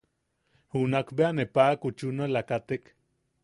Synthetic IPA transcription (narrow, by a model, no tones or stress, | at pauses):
hunakbeanepakut͡ʃunolakat̪ek